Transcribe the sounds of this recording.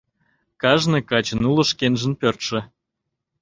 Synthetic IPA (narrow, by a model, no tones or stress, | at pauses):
kɑʒnɨkɑt͡ɕə̆nulɤ̆ʃkenʒə̆npørt̪ʃə̆